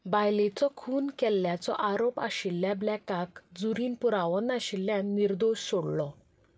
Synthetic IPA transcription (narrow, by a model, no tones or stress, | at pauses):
bajlet͡sɔkʰuːnkɛlːjat͡sɔ̰ʔaɾopa̰ɕilːjablɛkːakd͡zuɾiːnpuɾaʋənaɕilːjãnniɾd̪oɕsoɽlɔ